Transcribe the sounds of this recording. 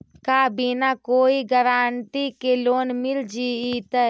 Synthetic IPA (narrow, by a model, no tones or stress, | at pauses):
kaːbiːnakoːiɡəɾaːnt̪ikeloːnmɪld͡ʒiːit̪ə